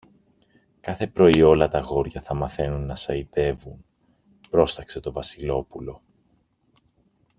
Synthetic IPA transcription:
kɐθe̞pɾo̞io̞lɐt̪ɐɣo̞ɾʝɐθɐmɐθe̞nunːɐsɐit̪e̞vun | pɾo̞st̪ɐkse̞t̪o̞vɐsilo̞pulo̞

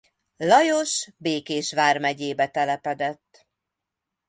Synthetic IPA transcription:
lɒjo̞ʃbeːkeːʃʋaːrmɛɟeːbɛt̪ɛlɛpɛd̪ɛt̪ː

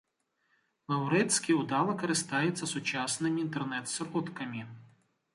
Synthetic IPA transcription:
lˠɐwɾɛtʲsʲkʲiʊd̪ɑlˠɐkɐɾɪst̪ɑjet͡sʲːɐsʊt͡ʃɑsnɪmʲiːnt̪ernɛt̪sɾɔt̪kɐmʲi

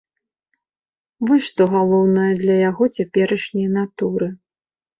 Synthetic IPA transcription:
vɨʂt̪ɔɣalˠɔwnɐjɐd̪lʲɐjaɣɔt͡sʲapʲɛɾɐʂnʲɐjn̪at̪uɾɨ

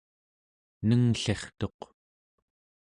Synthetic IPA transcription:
nəŋɬe̞χt̪o̞q

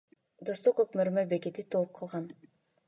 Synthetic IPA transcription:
d̪ost̪oqøkmøɾmøbe̞ke̞t̪it̪ʰolˠup̚qʰɑlˠʁɑn

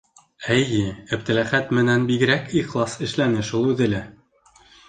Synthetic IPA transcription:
æjɘɘ̆p̚t̪ɘ̆læχæt̪mɘ̆nænbiɡɘ̆ɾækiχlˠɑsɘ̆ʃlænɘʃulˠʉðɘ̆læ

